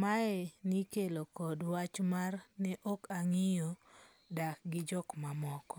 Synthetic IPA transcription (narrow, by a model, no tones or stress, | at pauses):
maɛnikelokɔdwat͡ʃmarnɛʔokaŋijo | dak̚ɡɪd͡ʒɔkmamɔkɔ